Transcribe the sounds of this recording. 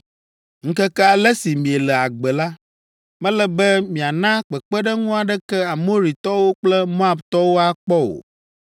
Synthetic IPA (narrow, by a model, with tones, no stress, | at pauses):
ŋ̩˦kɛ˦kɛ˦a˨lɛ˦si˨mĩ˨e˨lɛ˨a˨ɡ͡bɛ˨la˦ | mɛ̃˦lɛ˨bɛ˦mĩ˨a˨nã˦k͡pɛ˨k͡pɛ˦ɖɛ˦ŋũ˦a˨ɖɛ˦kɛ˦a˨mo˦ɾi˨t̪ɔ˦wo˦k͡plɛ˦mõ˦a˨bt̪ɔ˦wo˦a˦k͡pɔ˦o̰˨